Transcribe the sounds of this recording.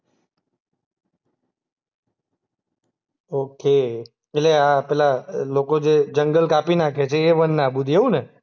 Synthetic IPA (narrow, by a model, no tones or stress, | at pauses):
oke | etleapɛlalokod͡ʒed͡ʒəŋɡəlkapinakʰet͡ʃʰeːʋənːabud̪ʱieũne